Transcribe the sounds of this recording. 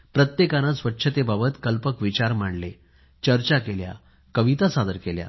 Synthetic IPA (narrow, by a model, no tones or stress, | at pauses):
pɾət̪jekanat͡sʋəʈːɕʰət̪ebabət̪kəlpəkʋit͡ɕaɾmaɳle | t͡ɕəɾt͡ɕakelja̰ | kəʋit̪asad̪əɾkelja̰